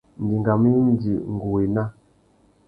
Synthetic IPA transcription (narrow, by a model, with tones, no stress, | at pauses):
n˨di˨ŋɡa˨mi˦n˦di˨ŋ˨ɡu˨wi˨na˦